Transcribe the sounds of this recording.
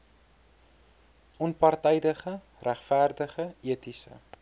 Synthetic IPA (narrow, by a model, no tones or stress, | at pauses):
ʔɔnpɑrtɛjdəχə | ræχfærdəχəiətisə̰